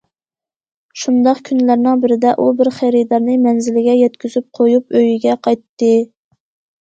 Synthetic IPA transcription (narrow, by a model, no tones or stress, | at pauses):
ʃund̪ɑqkʲʰynlæɾnɪŋbɪɾɪd̪ɛʔubɪɾχæɾɪd̪ɑɾnɨmɛnzɪlɪɡʲɛjɛt̪kʲyzyp̚qʰojup̚øjiɡʲɛqʰɑjt̪ːɨ